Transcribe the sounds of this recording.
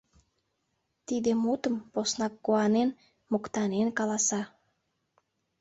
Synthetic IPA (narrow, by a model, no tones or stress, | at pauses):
t̪id̪emut̪əmposnɑkːoɑnen | mokt̪ɑnenkɑlɑsɑ